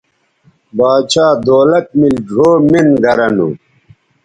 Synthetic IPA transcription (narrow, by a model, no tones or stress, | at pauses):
baːt͡ɕʰaːd̪oːlɐt̪̚milɖʱoːminɡʱɐɾɐnṵ